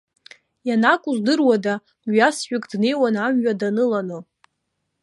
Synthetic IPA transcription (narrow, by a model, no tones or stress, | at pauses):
janakʷʼuzdɨrwada | ɥasħᶣɪkʼdne̞jwanamɥadanɨlanɨ